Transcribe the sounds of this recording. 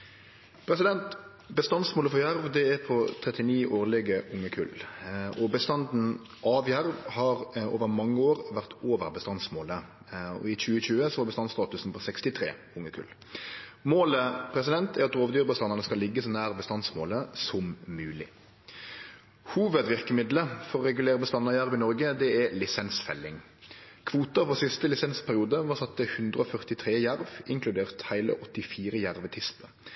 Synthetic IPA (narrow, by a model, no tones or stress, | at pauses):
pʰɾɛsɪd̪ɛnt̪ | bəst̪ɑnsmoːləfɔjæɾʋd̪ɛɛɾpʰɔt̪ʰɾɛt̪ɪniːʔoːɾlɪɡəʔʊŋːəkʰʉ̰lʔɔbəst̪ɑnd̪n̩ | ʔɑːʋjæɾʋhɑɾoːʋəɾmɑŋːəoːʁʋæʁt̪ʰoːʋəɾbəst̪ɑnsmoːlə | ɔ̰ɪc͡çʉːəçʉːəsɔɑbəst̪ɑnst̪ɑːt̪ʉsn̩pʰɔsɛkst̪ɪt̪ʰɾḛː | ʊŋːəkʰʉ̰l | moːləpʰɾɛsɪd̪ɛnt̪ʰæɾɑt̪ɾoːʋd̪yːʁbəst̪ɑnːɑnəskɑlɪɡːəsɔnæːʁbəst̪ɑnsmoːləsɔmmʉːlɪ̰ | huːʋəd̪ʋɪʁkəmɪd̪ləfɔʁɔʁɛɡʉleːɾəbəst̪ɑnːɑjæɾʋɪnɔɾɡəd̪ɛɛlɪsɛnsfɛ̰lːɪŋ | kʰʋuːt̪əfɔsɪst̪əlɪsɛnspʰæɾɪuːd̪əʋɑsɑt̪ːəhʉnd̪ɾʁəɔfœʁt̪ɪt̪ʰʁeːjæɾʋɪŋkʰlʉd̪eːʁt̪hæɪlə̰ʔɔt̪ːɪfiːɾəjæɾʋət̪ʰɪspə